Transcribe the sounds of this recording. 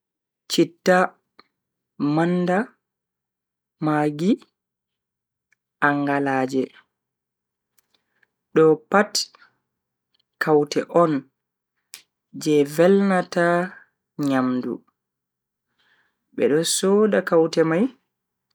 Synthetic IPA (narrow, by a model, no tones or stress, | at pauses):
t͡ʃitːa | manda | maːɡi | ʔaŋɡalaːd͡ʒɛ | ɗɔpat | kawtɛʔɔn | d͡ʒɛvɛlnata | ɲamdṵ | ɓɛ̰ɗɔsɔːdakawtɛmaj